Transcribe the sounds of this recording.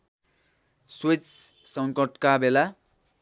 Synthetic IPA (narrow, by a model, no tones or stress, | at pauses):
swit͡ssʌŋkʌʈkabela